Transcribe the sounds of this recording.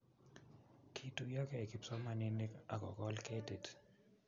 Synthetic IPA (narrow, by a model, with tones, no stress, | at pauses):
kʰi˨tu˨ja˦kɛ˦˨ki˨psɔ˦ma˨ni˦ni˦ka̰˨kɔ̰˨kɔ˦lke˦de˨t